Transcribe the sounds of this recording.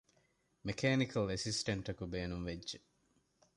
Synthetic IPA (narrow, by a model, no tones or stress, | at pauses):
mekʰeːnikʰɐlesisʈɐɳʈɐkubeːnumʋedːʒe